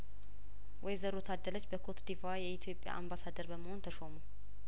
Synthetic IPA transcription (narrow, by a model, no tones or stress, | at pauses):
wɔjzəɾot̪ʰad̪ːələt͡ʃːbəkʰot̪d̪ivajɛit̪ʰjo̞pʼja̰ʔambasad̪əɾbəməho̞nt̪ʰəʃomu